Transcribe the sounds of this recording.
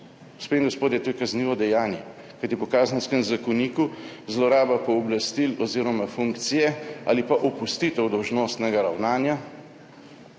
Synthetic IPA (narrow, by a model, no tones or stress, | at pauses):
spenŋɡɔspoːt̪jɛt̪uːjkazniːʋɔd̪ɛjaːnjɛ | kajt̪ipɔkaːzənskɛmzakɔniːkuzlɔɾaːbapɔːblast̪ilɔziːɾɔmafuŋkt̪sijɛa̰lipaʔɔpust̪iːt̪ɛwd̪ɔwʒnoːst̪nɛɡaɾawnaːnja